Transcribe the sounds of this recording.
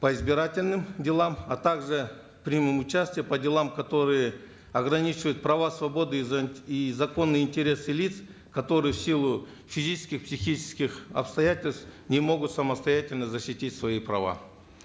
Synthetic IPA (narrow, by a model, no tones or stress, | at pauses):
pəizbʲɪɾatʲɪlʲnɨmdʲɪlˠamɐt̪aɡʐɨ | fpɾʲɪmɨmʊt͡ɕasʲtʲɪjəpədʲɪlˠamkɐt̪o̞ɾɨjɪ | ɐɡɾɐnʲit͡ɕɪvəjʊt̪̚pɾɐvasvɐbo̞d̪ɨizɐko̞nːɨjinʲtʲɪɾʲe̞silʲit̪s | kɐt̪o̞ɾɨjɪfsʲilˠʊ | fʲizʲit͡ʃɪ̥skʲɪxpsʲɪxʲit͡ʃɪ̥skʲɪxɐ̰pst̪ɐjatʲɪlʲst̪nʲɪmo̞ɡʊt̪sɐməst̪ɐjatʲɪlʲnəzɐɕːɪtʲitʲsvɐipɾɐ̰va̰